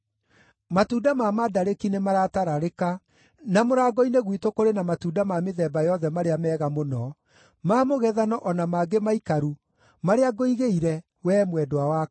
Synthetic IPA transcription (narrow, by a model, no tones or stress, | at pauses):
matudamamadaɾekinemaɾataɾaɾeka | namoɾaːɡɔineɣwitokoɾenamatuːdamameðɛːbajɔðɛmaɾeamɛːɣamonɔ | maːmoɣɛðanɔʔɔnamaɡemaikaɾu | maɾeaɡoiɣeiɾɛ | wɛːmwɛdowawa